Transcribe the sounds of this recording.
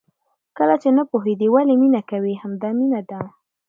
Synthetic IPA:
kəlat͡ʃenapoɦed̪iwaleminakawihamd̪ɑminad̪a

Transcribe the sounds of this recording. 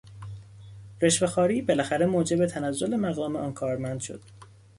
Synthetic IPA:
ɾe̞ʃvexɒːɾiːbe̞læxæɾemoːd͡ʒe̞bet̪ʰænæzːo̞lemæɣɒːmeʔɒːnkʰɒːɾmænd̪̥ʃo̞̰d̪̥

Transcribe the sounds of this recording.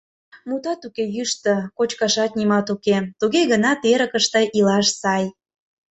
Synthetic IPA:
mut̪ɑt̪ukejyʃt̪ə̆kot͡ɕkɑʃɑt̪̚nʲimɑt̪uket̪uɣeɣənɑt̪eɾə̆kəʃt̪ə̆ʔilɑʃsɑj

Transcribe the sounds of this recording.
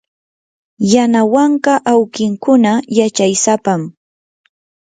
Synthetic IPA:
janawaɴkɑʔawkɪŋkʊnajat͡ʃajsapam

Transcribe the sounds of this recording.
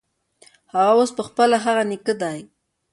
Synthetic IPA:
haɣawospəxpəlaɦaɣanikəd̪aj

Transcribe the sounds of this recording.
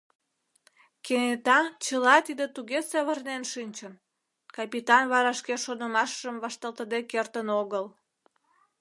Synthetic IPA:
kenet̪ɑt͡ɕəlɑt̪id̪ət̪uɣesɑβərnenʃinʲt͡ɕən | kɑpit̪ɑnβɑɾɑʃkeʃonəmɑʃʒəmβɑʃt̪ɑlt̪əd̪ekert̪ənoɣəl

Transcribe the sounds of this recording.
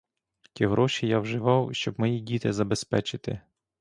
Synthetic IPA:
tʲiɦɾɔʃijawʒɪʋɑwʃt͡ʃɔbmɔjidʲit̪ɪzɐbespɛt͡ʃɪt̪ɪ̰

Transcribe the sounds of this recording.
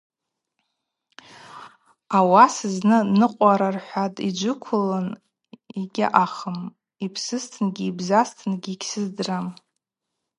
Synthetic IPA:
awasɨznɨnɨqʷʼaɾarħʷatʼid͡ʒʷʊkʷʰʊlɨn | iɡʲɪ̰ʔaχəm | ipʰsɨstʰɨnɡʲiːbzastʰɨnɡʲiːkʲʰsɨzdram

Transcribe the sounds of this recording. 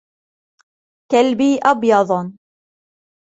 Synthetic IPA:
kalbiːʔɑbjɑd̪ˤ

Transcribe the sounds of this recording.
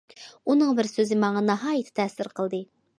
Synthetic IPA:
unɨŋbɪɾsøzɪmɑŋɑnɑɦɑːjɨt̪ʰɪ̥t̪ʰɛsɪɾqʰəlˠd̪ɨ

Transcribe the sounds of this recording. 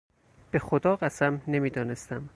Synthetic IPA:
b̥e̞xod̪ɒːɢæsæmne̞miːd̪ɒːne̞st̪æm

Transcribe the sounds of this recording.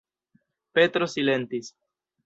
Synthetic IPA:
pe̞t̪ɾo̞sile̞nt̪is

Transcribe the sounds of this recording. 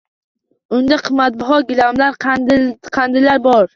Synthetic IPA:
ʊnd̪aqʰɨmːat̪̚bɒɦɒt̪̚ɡʲɪlamlaɾ | qʰand̪ɪlaɾbɒɾ

